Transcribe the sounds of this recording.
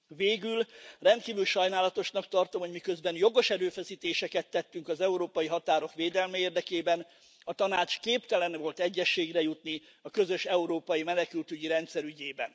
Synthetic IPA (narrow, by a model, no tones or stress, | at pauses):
veːɡylrɛnt̪̚kiːvylʃɒjnaːlɒt̪o̞ʃnɒkt̪ɒrt̪o̞mho̞ɟmikø̞zbɛnjo̞ɡo̞ʃɛɾøːfɛsiːt̪eːʃɛkɛt̪ːɛt̪ːyŋkɒzɛuɾoːpɒjiɦɒt̪aːɾo̞kʋeːd̪ɛlmɛeːrd̪ɛkeːbɛn | ɒt̪ɒnaːt͡ʃkeːpt̪ɛlɛnvo̞lt̪ɛɟːɛʃːeːɡrɛjut̪ni | ɒkø̞zø̞ʃɛuɾoːpɒjimɛnɛkylt̪yɟiɾɛnt̪sɛɾyɟeːbɛ̰n